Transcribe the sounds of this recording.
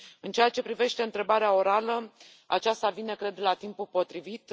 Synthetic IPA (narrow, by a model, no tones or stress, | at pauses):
ɨnt͡ʃejat͡ʃe̞pɾive̞ʃt̪e̞ɨnt̪ɾe̞baɾeao̞ɾalə | a̰t͡ʃast̪avine̞kɾe̞d̪lat̪impulpo̞t̪ɾivit̪